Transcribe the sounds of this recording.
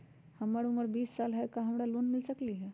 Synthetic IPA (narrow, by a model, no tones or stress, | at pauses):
həmaɽuməɾbiːsːalɦajkaɦəmɽalonmilsəkliːɦɛ